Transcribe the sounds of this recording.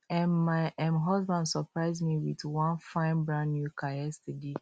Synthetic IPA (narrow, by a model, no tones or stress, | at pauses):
ɛ̃nmaɪɛmɦɔzbãndsɔpɹaɪzmiwitwãnfãɪ̃nbɹãʊ̃nːjukʰajɛstəde